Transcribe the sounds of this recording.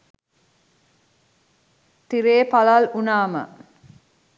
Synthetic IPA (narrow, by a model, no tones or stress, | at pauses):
t̪iɾeːpalalunaːmə̰